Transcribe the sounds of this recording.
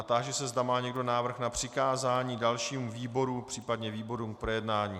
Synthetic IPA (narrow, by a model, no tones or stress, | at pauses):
at̪aʒɛsɛzdamaːɲɛɡdo̞naːvr̩xnapr̝̥ɪkaːzaːɲiːdalʃiːmviːbo̞ɾupr̥iːpadɲɛviːbo̞ɾuːmkpɾojɛdnaːɲiː